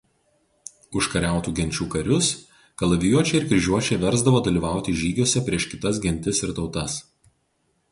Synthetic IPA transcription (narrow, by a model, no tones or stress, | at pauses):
ʊʃkɐɾʲæˑʊt̪uːɡʲɛnʲt͡ʃʲuːkɐɾʲʊs | kɐlˠɐʋʲɪjuɔt͡ʃʲɛɪɪɾkʲɾʲɪʒʲuɔt͡ʃʲɛɪʋʲɛɾzd̪ɐʋoːd̪ɐlʲiːʋɑˑʊt̪ʲɪʒʲiːɡʲoɔsʲɛpʲɾʲiɛʃkʲɪt̪ɐs̬ɡʲɛnʲt̪ʲɪsɪɾt̪ɒʊt̪ɐs